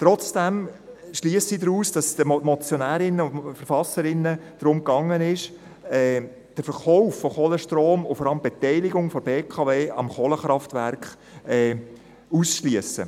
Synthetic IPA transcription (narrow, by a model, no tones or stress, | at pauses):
tɾɔt͡sd̥æmʃliːəsidɾuːsd̥ɑsdəmɔt͡sjɔnæːɾɪnːəʊnfəɾfɑsəɾɪnːəd̥ɾʊmkɑŋːənɪʃ | ɛː | d̥əfəɾχɔʊfːɔχoɔləʃtroːmʊfɔɾɑləmb̥ɛtɛɪlɪɡʊŋfɔbeːkʰɑveːʔɑ̰mχoːləχɾɑftvæ̰ɾkχ | ɛː | uːsʃliəsə̰